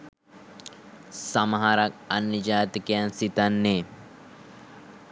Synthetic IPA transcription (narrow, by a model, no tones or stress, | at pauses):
sɐmɐɦaɾɐkɐnːəd͡ʒaːt̪ikejansit̪anːeː